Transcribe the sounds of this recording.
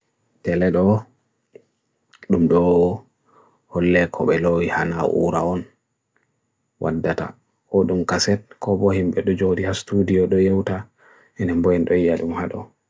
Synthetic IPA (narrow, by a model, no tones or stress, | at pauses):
tɛlɛɗɔ | ɗumɗɔ | hɔlːɛkʰɔɓɛlojihanaʔṵːɾa̰ɔn | wʔa̰dːata̰ | ɔɗumkasɛtkɔbɔhimɓɛɗɔd͡ʒodihastudijɔɗɔjewta | ɛnɛmbɔjɛnɗɔijaɗumhaɗɔ